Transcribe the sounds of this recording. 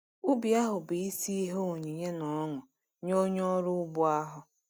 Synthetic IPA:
ʊ˦bi˨a˦ɦʊ˨bi˨i˦si˦i˦ɦe˦o˨ɲi˨ɲe˦nɔ˨˦ŋʊ˨ | ɲo˦ɲɔ˦ɾʊ˦bʊ˦a˦ɦʊ˨

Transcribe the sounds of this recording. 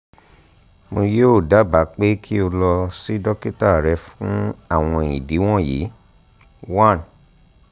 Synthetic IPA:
mo˧joː˦˨da˨˦ba˨˦k͡pe˦kʰi˦o˧lɔ˧si˦dɔ˦ki˦ta˦˨ɾɛ˨˧˦fũ˦a˦˨w̃ɔ̃˧i˨di˨˦w̃ɔ̃˦˨jḭː˨˦ | wã˦˨n

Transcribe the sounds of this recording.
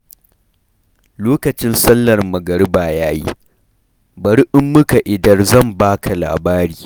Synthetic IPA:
loː˦kɐ˨t͡ʃɪ˦nsɐ˦lːɐ˨rmɐ˨ɡɐ˨ɽɪ˦baː˨jaː˦jḭ˦ | bɐ˨ɾʔɪ˦mːʊ˦ka˨ʔɪ˨dɐ˨rzɐ˦˨mbaː˦kʰa˨la̰ː˨baː˦ɾiː˨

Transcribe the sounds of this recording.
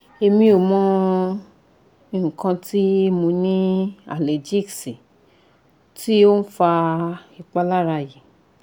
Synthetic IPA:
e˧mĩ˧o˨mɔ̃˧˦ | i˧˨ũ˨kã˧ti˦e˦mũ˨˧˦nĩ˦a̰˨le˨d͡ʒi˦˨ksi˨ | ti˦o˦n̩˦fa˧i˨k͡pa˧la˦ɾa˧ji˨

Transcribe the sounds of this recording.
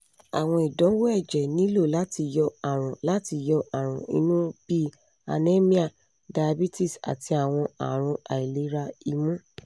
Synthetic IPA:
a̰˨w̃ɔ̃˧i˨dɔ̃˨˦wo˦ɛ˦˨d͡ʒɛ˨nĩ˨˦lo˦˨la˨˦ti˧jɔ˧a˨ɾ̃ũ˨la˨˦ti˧jɔ˧ʔa˨ɾ̃ũ˨ḭ˧˦nũ˦b̥i˦ | a̰˧ne˦mĩ˦a˦˨ | da˧˨a˧bi˦ti˦˨sa̰˨ti˧a˨w̃ɔ̃˧a̰˨ɾ̃ũ˧a̰˨i˨le˨˦ɾa˧i˧mũ˦

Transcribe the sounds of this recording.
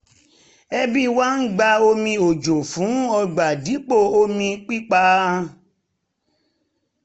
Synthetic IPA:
ɛ˧bĩ˦wa˦n̩˦ɡ͡ba˧o˧mĩ˧o˨d͡ʒo˨fũ˨˦ɔ˧ɡ͡ba˨di˨˦k͡po˦˨o˧mĩ˧k͡pi˦k͡pa˧

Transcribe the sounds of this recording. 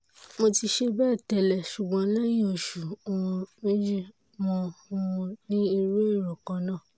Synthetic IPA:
mo˧ti˧ʃe˧bɛː˦˨tɛ˨lɛ˨ʃu˨ɡ͡bɔ̃˨˧˦la˦j̃ĩ˦o˨ʃu˨o˨wɔ̃˧mĩ˦d͡ʒi˦˨ | mɔ̃˧ũ˧nĩ˦i˧ɾu˦i˦˨ɾɔ̃˨kã˧˦nãː˦˨

